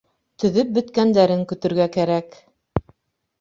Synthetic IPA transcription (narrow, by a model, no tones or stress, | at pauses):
t̪ɵ̆ðɵp̚bɵ̆t̪kænd̪æɾɘŋkɵ̆t̪ɵ̆ɾɡækæɾæk